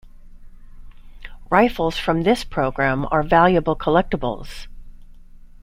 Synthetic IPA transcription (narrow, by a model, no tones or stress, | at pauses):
ɹaɪfl̩ˠz̥fɹʌ̃mðɪspʰɹ̥oʊɡɹæ̃mə̰˞vælˠjɨbl̩ˠkʰəlɛk̚təb̰l̩ˠz̥